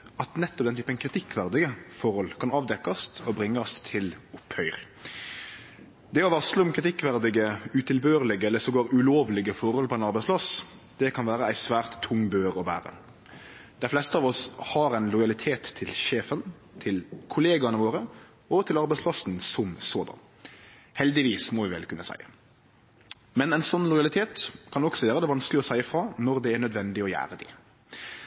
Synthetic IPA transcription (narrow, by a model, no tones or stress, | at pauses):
ɑt̪nɛt̪ːɔp̚d̪ɛnt̪ʰyːpənkʰɾɪt̪ʰɪkːʋæʁd̪ɪɡəfɔɾhɔlkʰɑnɑːʋd̪ɛkːɑst̪ʰɔbɾɪŋːəɑst̪ʰɪlʊphœʏʁ | d̪ɛɔʋɑsləʊmkʰɾɪt̪ɪkːʋæʁd̪ɪɡəʉt̪ʰɪlbøːʁlɪɡəɛlːəsɔɡoːɾʉloːʋlɪɡəfɔɾhɔlpʰɔɛɪnɑɾbɛɪspʰlɑsd̪̥ɛkʰɑnʋæːɾəæɪsʋæːʁt̪ʰːʊŋːbøːʁɔbæ̰ːɾə̰ | d̪̥æɪflɛst̪əɑːʋɔshɑɾæɪnlɔjɑlɪt̪ʰeːt̪ʰːɪlʃeːfən | t̪ʰɪlkʰʊleːɡɑnəʋoːɾə | ɔt̪ʰɪlɑɾbæɪspʰlɑsn̩sɔmsoːd̪ɑ̰n | hɛld̪ɪʋiːsmɔʋɪʋɛ̰lkʰʉnːəsæ̰ɪə | mɛnæɪnsɔnːlɔjɑlɪt̪ʰeːt̪kʰɑnɔksɔʋæːɾəd̪ɛʋɑnsklɪɔsæɪəfɾɑːnɔɾd̪ɛːɾnœd̪ʋɛnd̪ɪɔjæ̰ːɾəd̪ɪ̰